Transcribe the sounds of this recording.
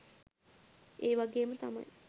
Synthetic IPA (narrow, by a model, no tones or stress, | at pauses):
eːʋaɡeːmət̪ama̰j